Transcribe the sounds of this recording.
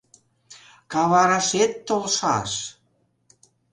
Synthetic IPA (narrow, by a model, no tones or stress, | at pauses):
kɑβɑɾɑʃet̪ːolʃɑ̰ʃ